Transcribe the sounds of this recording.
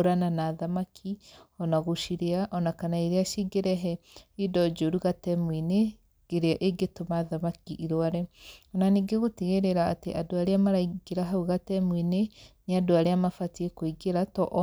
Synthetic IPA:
ɾananaðamakʰiɔnaɣoʃiɾeaʔɔnakanaiɾeaʃiɡeɾɛɦɛ | idɔd͡ʒoɾuɣatɛmwine | ɡ̥eɾeaʔeɡetomaðamakiʔiɾowaɾɛɔnaniːɡeɣoteɣeɾeɾaːteʔadoaɾeamaɾaiɡeɾaɦauɣatɛmwineneadoaɾeamafatiekoiɡeɾatɔʔ

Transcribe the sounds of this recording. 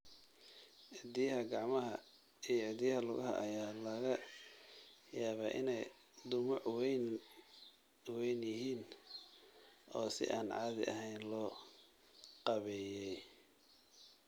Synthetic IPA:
ʕɪd̪ijɦɐɡɑʕmɐɦɐ | ijɐʕɪd̪ijɦɐlʊɣɐɦɐ̰ʔɐjaːlɐɣɐ | jaːβaːʔɪ̰nɛj | d̪ʊmʊʕwɛn | wɛjnjɪɦiːn | ʔɔːsɪ̰ʔaːnʕɑ̰ːðɪ̰ʔɐ̰ɦɛjnlɔː | qɑβɛːjɛj

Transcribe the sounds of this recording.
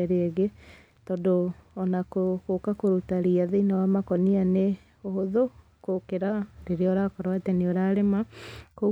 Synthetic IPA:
ɾeeɣe | tɔdoːnakokokakoɾutaɾiaðeinawamakɔniane | ohoðo | kokeɾaɾeɾeɔɾakɔɾwateneoɾaɾemako

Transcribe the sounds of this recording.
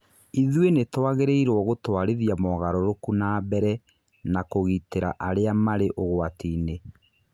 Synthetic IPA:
iðwenetwaɣeɾeiɾoɔɣotwaɾeðiamɔːɣaɾɔɾokunaːbɛɾɛ | nakoɣiteɾa̰ʔaɾeamaɾeʔoɣwatiːne

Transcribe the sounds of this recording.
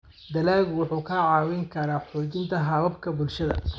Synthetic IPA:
d̪ɐlaːɣʊwʊħuːkʰɐʕɑːwɛŋkʰɐɾaːħɔːt͡ʃɪnt̪ʰɐɦɐβɐbkʰɐbʊlʃɐðɐ̰

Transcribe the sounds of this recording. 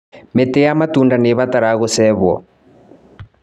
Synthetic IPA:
metejamatuːndaneβataɾaɣosɛβwɔ̰

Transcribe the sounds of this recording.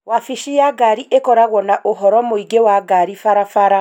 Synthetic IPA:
wafiʃijaɡaɾiʔekɔɾaɣwɔnaʔoɦɔɾɔmoiɡewaɡaɾifaɾafaɾa

